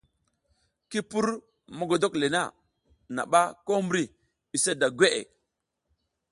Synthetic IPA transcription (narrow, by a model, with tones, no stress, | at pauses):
ki˦pu˦ɾ | ma˨ɡo˨do˦kle˨na˦ | na̰˨ɓa˦ko˦mbɾi˨ | i˨sa˦da˨ɡʷe˦ʔḛ˨